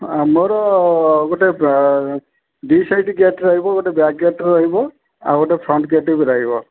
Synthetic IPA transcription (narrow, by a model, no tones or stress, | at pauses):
moɾɔɡoʈe | ɖisajʈiɡeʈɾaɦibɔɡoʈebak̚ɡeʈɾaɦibɔ | a̰ɡoʈepʰɾɔɳʈɡeʈebiɾaɦibɔ